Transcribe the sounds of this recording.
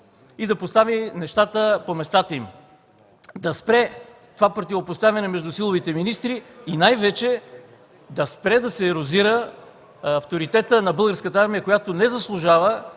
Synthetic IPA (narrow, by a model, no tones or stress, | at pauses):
id̪ɐpost̪avinɛʃt̪at̪əpomɛst̪at̪əim | d̪ɐspɾɛ | t̪ovapɾot̪ʲivopost̪avɐnɛmɛʒd̪ʊsilˠovit̪ɛminist̪ɾiːnajvɛt͡ʃɛ | d̪ɐspɾɛd̪ɐsɛːɾoziɾə | ɐft̪oɾit̪ɛt̪ənɐbɤlˠɡəɾskət̪əaɾmijəkojat̪onɛzɐslˠʊʒavə